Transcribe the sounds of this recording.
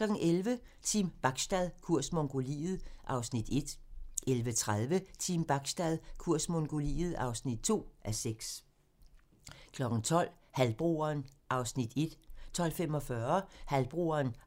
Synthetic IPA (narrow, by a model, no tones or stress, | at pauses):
kʰlɒ̽ɡ̥n̩ʔelʋə | t͡sʰimb̥ɑ̈ɡ̥sd̥æð̞ˠkʰuɐ̰smoŋɡ̥o̝lḭːð̞̩ˠʔɑ̈ʊsnid̥e̝d̥ʔelʋət͡sʰʁaðˠʋət͡sʰiːmb̥ɑ̈ɡ̥sd̥æð̞ˠkʰuɐ̰smoŋɡ̥o̝lḭːð̩ˠɑ̈ʊsnid̥t͡sʰo̝̰ːʔæseɡ̥s | kʰlɒ̽ɡ̥ŋ̩t͡sʰɒ̽l̰ | hælb̥ʁo̝ːɐnʔɑ̈ʊsnid̥e̝d̥t͡sʰɒ̽l̰femɒ̽fɶːɐhælb̥ʁo̝ːɐn